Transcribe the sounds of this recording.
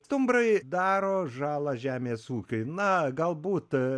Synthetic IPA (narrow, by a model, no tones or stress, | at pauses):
st̪ʊmbrɐɪd̪ɑːɾoːʒɑːlˠɐʒʲæːmʲeːsuːkʲʊɪnɐɡɐlˠbuːt̪